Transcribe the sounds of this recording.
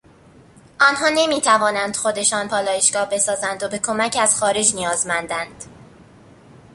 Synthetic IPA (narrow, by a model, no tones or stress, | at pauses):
ʔɒːnɦɒːne̞miːt̪ʰævɒːnænd̪̥xo̞d̪e̞ʃɒːnpʰɒːlɒːjeʃɡɒːhbe̞sɒːzænd̪obe̞kʰo̞mæcʰæz̥xɒːɾe̞d͡ʒnijɒːzmænd̪ænd̪̥